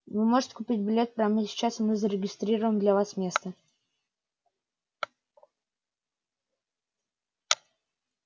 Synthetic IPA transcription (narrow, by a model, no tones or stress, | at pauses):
vɨmo̞ʐɨtʲɪ̥kʊpʲit̚ʲbʲɪlʲe̞t̪̚pɾɐmɨsʲɪ̥t͡ɕasmɨzəɾʲɪɡʲɪst̪ɾʲiɾəvəmd̪lʲavasmʲe̞st̪ə